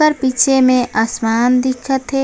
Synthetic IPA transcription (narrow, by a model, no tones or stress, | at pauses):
əɾpiːt͡ʃʰemẽʔaːsmaːnd̪ɪkʰət̪ɦɛ